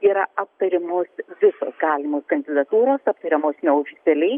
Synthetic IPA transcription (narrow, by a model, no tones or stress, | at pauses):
iːɾɐʔɐp̚t̪ɐɾʲɪmoːsʋʲɪso̰ːsɡɑːlʲɪmoːskɐnʲd̪ʲɪd̪ɐt̪uːɾoːsɐp̚t̪ɐɾʲɛmoːsnʲɛoːfʲɪt̪ʲɛlʲɛɪ